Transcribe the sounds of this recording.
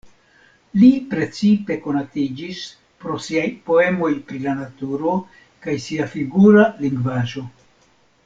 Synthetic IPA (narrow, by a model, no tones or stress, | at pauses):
lipɾe̞t͡sipe̞ko̞natid͡ʒis | pɾo̞siajpo̞e̞mo̞jpɾilanatuɾo̞ | kajsiafiɡuɾaliŋɡvaʒo̞